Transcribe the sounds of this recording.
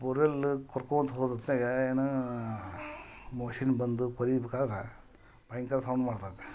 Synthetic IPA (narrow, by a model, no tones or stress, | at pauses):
puɾelkɔɾkont̪ɦod̪ɐt̪neɡeeːnu | moːʃinbɐnd̪ukoɾibekaːd̪ɐɾe | bɐjŋkɐɾsɐwɳɖmaːɽt̪ajd̪e̥